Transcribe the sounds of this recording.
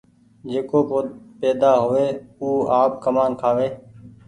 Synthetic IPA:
d͡ʒeːkoːpoːpeːd̪aːɦʊʋeːuːaːp̚kəmaːnkʰaːʋeː

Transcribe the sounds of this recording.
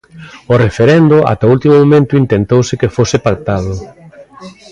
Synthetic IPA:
ʊrefeɾɛnd̪ʊa̰t̪ault̪imʊmomẽnt̪ʊint̪ent̪owsɪkefosɪpak̚t̪að̞ʊ

